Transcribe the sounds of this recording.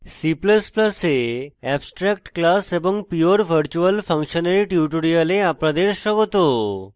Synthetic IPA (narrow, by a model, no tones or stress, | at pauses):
sipləspləseɛbsʈɾɛk̚ʈklasebə̃ŋɡpioɾʋʱəɾt͡ɕuəlfʰə̃ŋkʃənaɾiʈjuʈoɾiəleapɾad̪eɾʃəɡot̪o